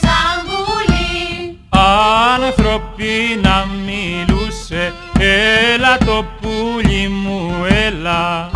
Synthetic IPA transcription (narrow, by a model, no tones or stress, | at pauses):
saɡuli | alat̪ɾɔpːinamːiluse | elat̪opːuʎimːuelːa